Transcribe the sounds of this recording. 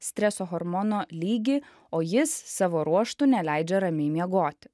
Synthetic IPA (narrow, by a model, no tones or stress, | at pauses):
sʲt̪ʲɾʲɛsoːɣoɾmɔnoːlʲiːɡʲiː | oːjɪsːɑːʋoːɾuɔʃt̪ʊnʲɛlʲæɪd͡ʒʲɛɾɐmʲeɪmʲiɛɡoːt̪ʲ